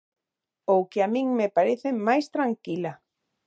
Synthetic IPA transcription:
owkeamĩŋmepaɾeθemajst̪ɾaŋkila

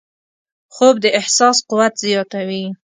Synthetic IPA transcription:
xobd̪əʔɪhsɑsquwat̪zijɑt̪awi

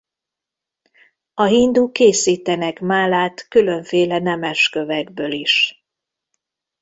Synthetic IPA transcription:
ɒɦind̪uːkeːsiːt̪ɛnɛkmaːlaːt̪kylø̞ɱfeːlɛnɛmɛʃkø̞vɛɡbøːliʃ

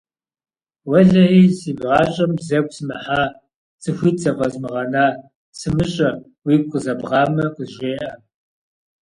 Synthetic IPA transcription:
wɐɮɐiːziːbʁɑːɕʼɐmzɐk̚ʷsɨmɨħaː | t͡sʰʼɨxʷiːt͡sɐvʼɐzmɨʁɐnaː | sɨmɨɕʼɐ | wiːp̚qʼəzɐbʁɑːmɐqʼəʒʷeːʔɐ

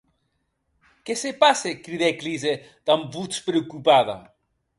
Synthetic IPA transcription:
kesepasekɾiðeklize | d̪̥ambut͡spɾewkupaða̰

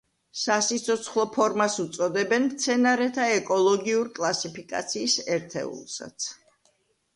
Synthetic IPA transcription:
sasit̪sʰɔt̪sʰχlˠɔpʰɔɾmasut̪sʼɔd̪ɛbɛnmt̪sʰɛnaɾɛt̪ʰaɛkʼɔlˠɔɡiuɾikʼlˠasipʰikʼa̰t̪sʰiːsɛɾt̪ʰɛ̰ṵlˠsa̰t̪sʰ

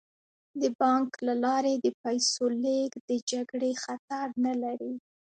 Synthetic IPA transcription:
d̪əbɑŋklalɑɾed̪əpajsoleɡd̪əd͡ʒaɡɽexat̪aɾnalaɾi

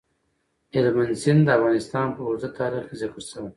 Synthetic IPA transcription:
hɪlmansɪnd̪əafɣɑnɪst̪ɑnpəʊɾzat̪ɑɾixkezakəɾʃəwe

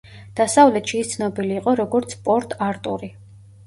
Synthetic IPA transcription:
d̪̥asavlɛt̪ʃiːst̪sʰnɔbiliːqʼɔɾɔɡɔɾt̪sʰpʼɔɾt̪ʼaɾt̪ʼuɾi

